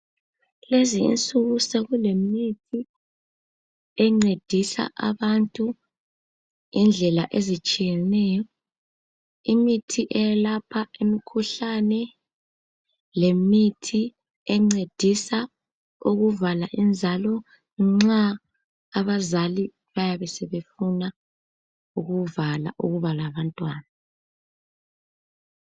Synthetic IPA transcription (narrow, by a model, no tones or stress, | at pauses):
leziḭnt͡sʼuɣuseɣulemitʰi | ɛŋ͡ǀed̥ʱisa̰ʔaβantʼu | ind͡ɮʱɛlaʔezit͡ʃʼijɛnɛːjɔ | imitʰiʔɛjalapʰaemikʰuɬanɛ | lemitʰi | ɛŋ͡ǀed̥ʱisa | uɣuvalaʔind͡zʱalɔ | ŋ͡ǁaː | βazali | βajaβɛsɛβefuna | uɣuvala̰ʔuɣuβalaβantʼwaːna